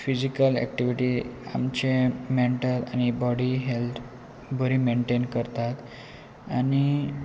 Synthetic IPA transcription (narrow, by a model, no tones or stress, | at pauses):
fid͡ʑikəlɛ̰k̚ʈiʋiʈia̰mt͡ɕemeɳʈəla̰ñibɔɽiɦelt̪ | bəɾimeɳʈenkəɾt̪at̪ | añi